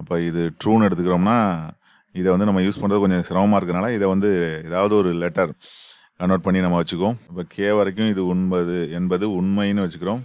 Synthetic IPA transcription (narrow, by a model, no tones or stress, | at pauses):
ɐpːoːɪðɯʈɾuːnɛɽɯt̪ːɯkːɪɾoːmnaː | ɪðɛʋɐnd̪ɯnɐmːɐjuːspɐɳɾɐðɯkɔɲd͡ʒɐ̃sɪɾɐmɐmaːɪɾɯkːɯɾnaːlɐɪðɛʋɐnd̪ɯɛðaːʋɐðɯɔɾɯlɛʈːɐɾ | kɐnːoːʈ̚pɐɳːinɐmːɐʋɐt͡ʃːɯkːõːɐpːɐːkʰeːʋɐɾɐk̬ʲːʊ̃ɪðɯʊɳmɐðɯɛnbɐðɯʊɳmɐjnːɯʋɐt͡ʃːɯkːɪɾõː